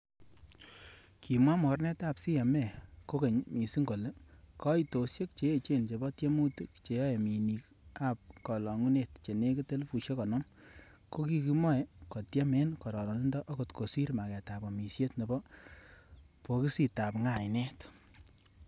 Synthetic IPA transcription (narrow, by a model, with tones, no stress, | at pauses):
ki˨mwa˦mɔ˨rnɛ˦ta˨psi˦ja˨mɛ˦˨ko˦ke˨ɲmi˨si˦ŋɡo˨le˦kɔ˦i˦to˨sje˦k̚t͡ʃe˨e˨t͡ʃe˦˨nt͡ʃe˨bɔ˦tje˦mu˦ti˦kt͡ʃe˨jɔ˦e˨mi˨ni˨k | a˨p̚kɔ˨lɔ˨ŋu˦ne˦˨tt͡ʃe˨ne˦ki˦te˦lfu˨ʃje˦kɔ˨nɔ˦m | ko˦ki˧ki˦mɔ˦e˦kɔ˨tja˦me˦nkɔ˨ɾɔ˨lɔ˨ni˦ndɔ˦ʔɔ˦ko˨tkʰo˨si˦ɾma˨kɛ˨ta˨bɔ˨mi˨sje˦tne˨bɔ˦ | po˨ki˦si˨ta˨pŋa˨jnɛ˦t